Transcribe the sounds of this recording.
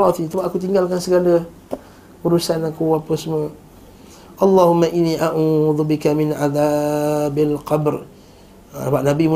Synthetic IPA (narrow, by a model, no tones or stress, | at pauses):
ɔt̪it̪ubaʔakut̪̬iŋɡalkansəɡalə | uɾusanakuapəsəmo | ʔɑlˤːɑhʊmːaʔinːiʔaʔuðubɪkamɪnʔaðabalqɑbr | baʔnabim